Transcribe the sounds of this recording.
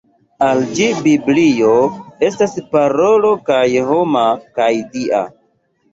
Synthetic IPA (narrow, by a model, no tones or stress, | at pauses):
ald͡ʒibiblijo̞e̞staspaɾo̞lo̞kajɦo̞makajdia̰